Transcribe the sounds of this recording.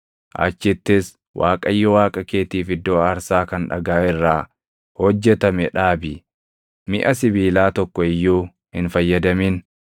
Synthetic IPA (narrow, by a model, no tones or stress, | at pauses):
ʔɐ̰t͡ʃːɪt̪ːɪs | wʔa̰ːkʼɐjːɔwaːkʼɐkeːt̪iːfɪd̪ːoːɐɾsaːkɐnᶑɐ̰ɡaːɪrːaː | hɔd͡ʒːɛt̪ɐmɛᶑaːbɪ | mɪʔɐsɪbiːlaːt̪ɔkːɔɪjːuː | hɪnfɐjːɐd̪ɐmiːn